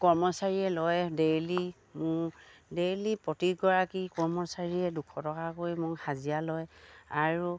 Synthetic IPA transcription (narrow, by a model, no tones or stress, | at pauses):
kɔɹmɔsaɹiɛlɔjdeli | mʊdelipɹɔtikɡɔɹakikɔɹmɔsaɹiɛdukʰɔtɔkakojmʊɹhazijalɔjaɹu